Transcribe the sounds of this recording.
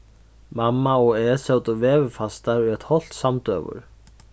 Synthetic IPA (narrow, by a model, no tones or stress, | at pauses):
mamːaɔɛsɛwt̪ʏvɛːvɪfast̪aɾʏɛt̪hɔl̥t̪samt̪œ̰ːvʏ̰ɾ̥